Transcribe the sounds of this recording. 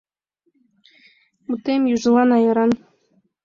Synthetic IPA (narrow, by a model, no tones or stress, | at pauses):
ut̪ːemjuʒɤ̆lˠɑnɑjɤ̆ɾɑn